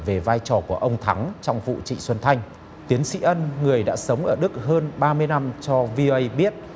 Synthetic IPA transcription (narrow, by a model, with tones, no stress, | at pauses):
ve˨˩vaː˧jt͡ɕɔ˨˩ku˧˩əʔə˧wŋ͡mt̪ʰa˨˦ŋt͡ɕɔ˧wŋ͡mvṵ˧˨t͡ɕḭ˧˨swə˧nt̪ʰa˧jŋ̟ | t̪i˨˦ənsḭ˧˥ʔə˧nŋɨ˨˩əjɗa̰ː˧˥sə˨˦wŋ͡mʔəː˧˩ɗɨ˦˥k̚ɦəː˧nɓaː˧mɨ˧əjna˧mt͡ɕɔ˧vi˧ʔo˧ʔə˧jɓi˦˥ət̚